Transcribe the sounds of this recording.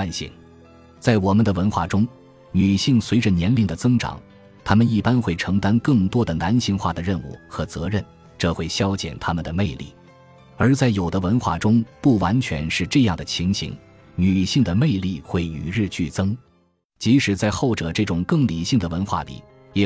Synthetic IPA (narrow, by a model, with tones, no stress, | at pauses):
a˥˧nɕḭ˥˩ŋ | t͡sa˥˩ɪwɔ˨˩mə˦nd̪ə˧wə˧˥nxwa̰˥˩ʈ͡ʂʊ˥ŋ | ny˨˩ɕi˥˩ŋswe˧˥ɪʈ͡ʂə˧njɛ˧˥nli˥˩ŋd̪ə˩t͡sɤ˥ŋʈ͡ʂɑ̰˨˩˦ŋ | t̪ʰa˥mə˨ni˥˩pa˥nxwe˥˩ɪʈ͡ʂʰɤ˧˥ŋt̪a˥nkɤ˥˩ŋt̪wɔ˥d̪ə˨na˧˥nɕi˥˧ŋxwa̰˥˩d̪ə˩ɻə˥˧nṵ˥˩xɤ˧˥t͡sɤ˧˥ɻə˥˩n | ʈ͡ʂɤ˥˧xwe˥˩ɪɕjɑ˥ʊt͡ɕjɛ̰˨˩nt̪ʰa˥mə˨nd̪ə˩me˥˧ɪlḭ˥˩ | ə˞˧˥t͡sa˥˩ɪjo˨˩ʊd̪ə˦wə˧˥nxwa̰˥˩ʈ͡ʂʊ˥ŋpu˥˩wa˧˥nt͡ɕʰɥɛ̰˧˥nʂɻ̩˥˧ʈ͡ʂɤ˥˧jɑ˥˩ŋd̪ə˩t͡ɕʰi˧˥ŋɕḭ˧˥ŋ | ny˨˩ɕi˥˩ŋd̪ə˩me˥˧ɪli˥˧xwe˥˩ɪy̰˨˩ɻɻ̩˥˧t͡ɕy˥˩t͡sɤ˥ŋ | t͡ɕi˧˥ʂɻ̩˨˩t͡sa˥˧ɪxo˥˩ʊʈ͡ʂɤ˨˩ʈ͡ʂɤ˥˩ʈ͡ʂʊ˨˩ŋkɤ˥˩ŋli˨˩ɕi˥˩ŋd̪ə˩wə˧˥nxwa̰˥˩lḭ˨˩˦ | jɛ˨˩